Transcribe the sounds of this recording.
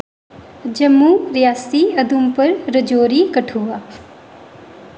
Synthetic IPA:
d͡ʒɐmːuːɾɪjaːsiːɐd̪ʱumpɐɾɾɐd͡ʒoːɾiːkɐʈʰuːʋaː

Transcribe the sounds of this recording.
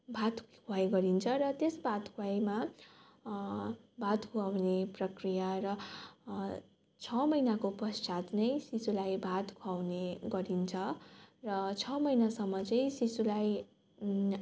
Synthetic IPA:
bʱat̪kʰuajɡʌɾint͡sʰʌrʌt̪esbʱat̪kʰuajma | bʱat̪kʰuawneprʌkrijarʌ | t͡sʰʌmʌjnakopʌst͡ʃat̪nʌjsisulajbʱat̪kʰawneɡʌɾint͡sʰʌrʌt͡sʰʌmʌjnasʌmːʌt͡sʌj̃sisulaj

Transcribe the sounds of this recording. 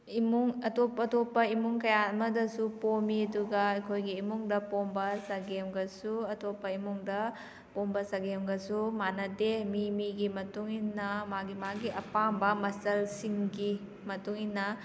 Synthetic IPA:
imuŋɐtopɐtopːɐimuŋkɐjaɐmɐdɐsupomiɐduɡɐɐjkʰojɡiːmuŋdɐpombɐsaɡemɡɐsuɐtopːɐimuŋdɐ | pombɐsaɡemɡɐsumanɐdemimiɡimɐtuŋinːɐmaɡimaɡiʔɐpambɐmɐsɐlsiŋɡi | mɐtuŋinːɐ

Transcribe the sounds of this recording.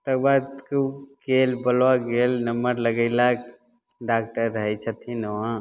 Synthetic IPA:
t̪ək̚bad̪kuɡelbəlwaɡelnəmbəɾləɡəɪlak | ɖaːk̚ʈəɾːəɦɛt͡ʃʰət̪ʰinoã

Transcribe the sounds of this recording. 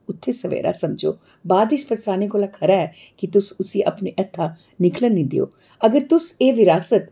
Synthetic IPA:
ʊt̪ʰːeːsəʋḛːɾa̰ːsəmd͡ʒo̰ː | baːd̪ɪspəst̪aːnikoːlakʰəɾaɛː | kɪt̪ʊsʊsĩːʔə̰pneʔɛt̪ʰːaː | nɪklənĩːd̪ɪ̰o̰ː | əɡəɾt̪ʊseːʋɪɾaːsət̪

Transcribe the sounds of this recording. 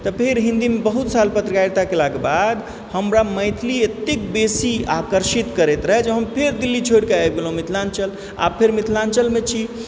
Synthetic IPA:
t̪ɔpʰeɾɦĩnd̪imebəɦut̪salpət̪ɾəkaɾt̪akelaɡebad̪ | həmɾaməɪt̪ʰiliet̪ekbesiakəɾʃit̪kəɾet̪ɾəɦɛd͡ʒeɦəmpʰeɾd̪ilːit͡ʃʰoɽkeajɡelɦũmit̪ʰlant͡ʃəl | a̰bpʰeɾmit̪ʰlant͡ʃəlmet͡ʃʰi

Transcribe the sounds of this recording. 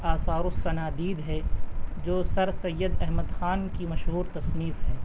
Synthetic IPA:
aːsaːɾʊsːɐnaːd̪iːd̪ɦɛːd͡ʒoːsɐɾsɐjːəd̪ɛɦməd̪xaːnkimɐʃɦuːɾt̪ɐsniːfɦɛː

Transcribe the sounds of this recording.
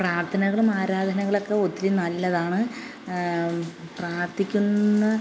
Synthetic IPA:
praːrt̪ʰɐnɐɣɐɭumaːɾaːd̪ʱɐnɐɣɐɭo̞kːe̞o̞t̪ːilinɐlːɐðaːɳɨ | praːrt̪ʰikʲːunːɐ

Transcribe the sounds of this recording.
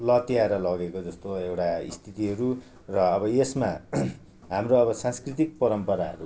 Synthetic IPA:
lʌt̪ijaɾʌlʌɡekod͡zʌst̪oewʈaḭst̪ʰit̪iɦʌɾu | rʌːbʌesma | ɦamroʌbʌsãnskrit̪ik̚pʌɾʌmpʌɾaɦʌ̰ɾu

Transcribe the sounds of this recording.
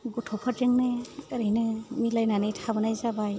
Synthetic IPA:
ɡutʰɔpʰatɾeŋnɯɯɾejnɯmilajnanɯjtʰabɯnajzabaj

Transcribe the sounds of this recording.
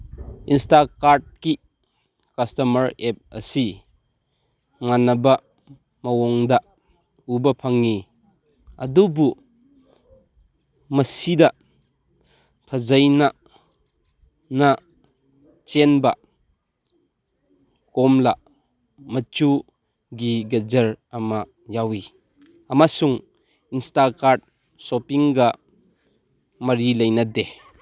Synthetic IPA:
instakaɾd̚ki | kɐstɐmɐɾep̚ɐ̰si | ŋanːɐbɐ | mɐwɔŋd̪ɐ | ubɐpʰɐŋːi | ɐdubu | mɐsidɐ | pʰɐzɐjnɐ | na | t͡ʃenbɐ | kɔmla | mɐt͡ʃu | ɡiɡɐd͡ʒɐɾɐmɐ | jawi | ɐmasuŋ | instakaɾd̚ | sɔpiŋɡɐ | mɐɾilɐjnɐde

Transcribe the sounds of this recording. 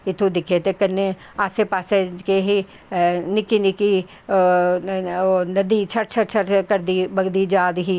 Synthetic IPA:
ɪt̪ʰud̪ɪkʰet̪ekɐnːe | aːsepaːsed͡ʒkeɦi | nɪkinɪki | onɐd̪it͡ʃʰɐɾt͡ʃʰɐɾt͡ʃʰɐɾkɐɾd̪ibɐɡd̪id͡ʒaːd̪ɦi

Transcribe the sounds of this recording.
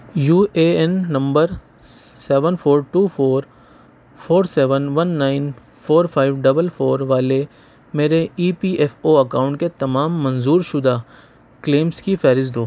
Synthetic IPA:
juːeːɛnːɐ̃mbəɾ | sɛːʋənpʰoːɾʈuːpʰoːɾ | pʰoːɾsɛːʋənʋɐnːaːɪn | fʰoːɾpʰaːɪʋɖɐbəlpʰoːɾʋaːle | meːɾeiːpiːʔɛfoːɐkaːʊ̃ɳʈ̚ket̪ɐmaːmːɐ̃nzuːɾʃʊd̪a | kleːmskifɛːɾɪzd̪oː

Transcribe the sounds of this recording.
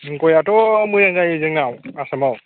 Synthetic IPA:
ŋ̩kɔjatɔmujɛŋɡajed͡ʒeŋamuasama

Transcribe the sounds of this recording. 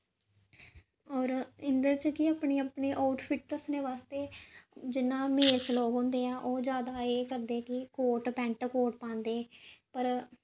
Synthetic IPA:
ɔːɾɪnd̪əɾt͡ʃəkɪaːpɳeːaːpɳeːʔaːʊʈpʰɪʈt̪ʊsneːʋaːst̪eːd͡ʒɪnːãːmeːlsloːɡɦõːnd̪eːãːʔoːd͡ʒjaːd̪aːeːkəɾd̪eːkɪkoːʈpɛ̃ːɳʈkoːʈpãːnd̪eːpəɾ

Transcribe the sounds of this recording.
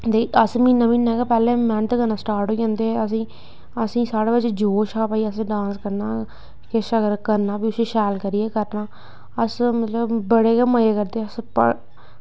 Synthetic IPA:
d̪eːəsmiːnːãːmiːnːãːɡaːpɛːlẽːmɛ̃nt̪ːkənãːsʈaːɾʈɦoiãːnd̪eːəs̬ĩː | əsĩːsaːɽeːbəd͡ʒd͡ʒoːʃaːpaːiːəsɖãːnskəɾnaː | kɪʃəɡəɾkəɾnaːbiːʊsiːʃɛːlkəɾiːeːkəɾnaː | əsmət̪ləbbəɽeːkeːməjeːkəɾd̪eːəspə̰

